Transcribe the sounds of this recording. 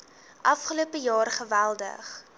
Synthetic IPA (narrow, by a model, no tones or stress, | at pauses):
ʔɐfχəluəpəjɑːrχəvælˠdə̰χ